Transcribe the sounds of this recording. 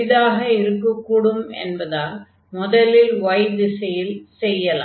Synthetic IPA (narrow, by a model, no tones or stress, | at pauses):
ɪðaːɣɐɪɾɯkːɐkːuːɽɯmɛ̰nbɐðaːl | mʊðɐlɪlʋɐjðɪsɐjɪlsɛjːɐla̰ː